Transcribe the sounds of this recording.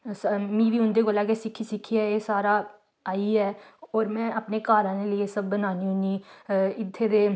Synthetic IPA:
smĩːʋiːɦʊ̃nd̪eːkoːlaːkeːsɪkʰːiːsɪkʰːiːɛːeːsaːɾaː | aːiːɛːɔːɾmɛ̃ːʔəpneːkaːɾãːneːləeːsəb̚ːənaːniːɦʊniːɪt̪ʰːeːd̪eː

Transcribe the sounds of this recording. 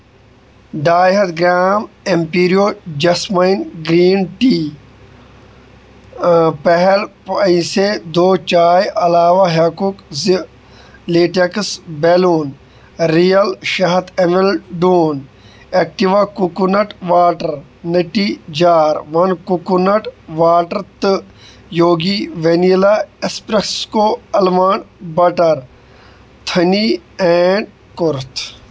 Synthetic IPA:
ɖaːjɦɐt̪ɡɾaːm | empiːɾijoːd͡ʒɐsmɐinɡɾiːnʈiː | pɐɦelpɐĩsed̪oːt͡ʃaːjɐlaːʋaɦɐkukz | leːʈeksbeːluːn | ɾijɐlʃɐɦɐt̪emelɖuːn | eːk̚ʈiʋakukunɐʈʋaːʈɐɾ | niʈid͡ʒaːɾʋɐnkukunɐʈʋaːʈɐɾt̪ɨ | joːɡiʋenilaespɾekskoɐlmaːnbɐʈɐɾ | t̪ʰɐnieːɳɖ̚ | kʊɾt̪ʰ

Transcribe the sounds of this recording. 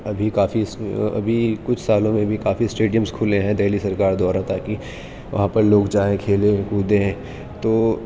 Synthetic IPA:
ɐbʱikaːfisɐ̰bʱikʊt͡ʃʰsaːlõmẽbʱikaːfisʈeːɖijə̃mskʰʊlẽɦɛ̃d̪ɛɦlisɐɾkaːɾd̪ɔːɾat̪aːki | ʋɐ̰ɦãpɐɾloːɡd͡ʒaːẽkʰeːlẽkuːd̪ẽ | t̪oː

